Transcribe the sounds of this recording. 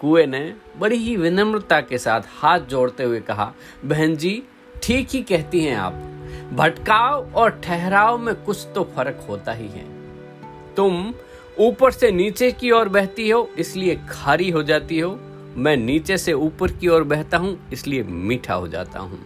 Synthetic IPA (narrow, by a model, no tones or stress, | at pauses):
kuene | bɐɽiɦiʋɪnə̃mɾɪt̪akesaːt̪ʰhaːt̪̚ʰd͡ʒoːɽt̪eɦʊekɐɦa̰ | bɛɦə̃nd͡ʒiː | ʈʰiːkɦikɛɦt̪iɦɛ̃a̰ːpbʱɐʈkaːoɔːɾʈʰɛɦɾaːomẽkʊt͡ʃʰt̪ofɐɾəkɦoːt̪aɦiɦɛ̰̃ː | t̪ʊm | uːpəɾseniːt͡ʃekiɔːɾbɛɦt̪iɦoːɪsliekʰaːɾiɦod͡ʒaːt̪iɦoː | mɛ̃ːniːt͡ʃeseuːpəɾkiɔːɾbɛːɦt̪aɦũɪsliemiːʈʰa̰ɦo̰d͡ʒa̰ːt̪a̰ɦṵ̃ː